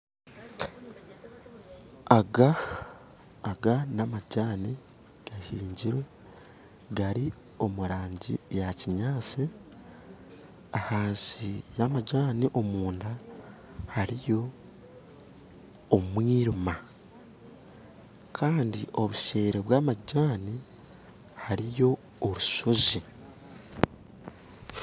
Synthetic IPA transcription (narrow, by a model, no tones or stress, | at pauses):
aɡa | ɡanamaɟaːni | ɡ̥ahiːɲɟiɾwe̞ | ɡaɾi | o̞muɾaːɲɟḭjaciɲaːt͡si | ahaːnsijamaɟaːniʔo̞muːnda | haɾijo̞ | mwiːɾuma | kʰaːndio̞βuʃe̞ːɾeβwaːmaɟaːni | haɾijo̞ː | ɾuso̞zi